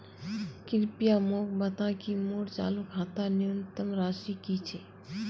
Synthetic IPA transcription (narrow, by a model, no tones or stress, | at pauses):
kɪɾpijaːmoːk̚bɐt̪ãːkimoːɽt͡ʃa̰ːlukʰaːt̪anɪənt̪əmɾaːʃiːkit͡ʃʰeː